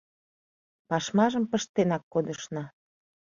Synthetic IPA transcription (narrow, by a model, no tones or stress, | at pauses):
pɑʃmɑʒəmpə̆ʃt̪enɑkːod̪əʃnɑ